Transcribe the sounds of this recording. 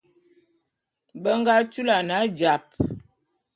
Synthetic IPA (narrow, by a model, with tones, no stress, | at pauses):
bə˦ŋɡa˦t͡ʃu˦la˨na˨˦d͡ʒa˨p̚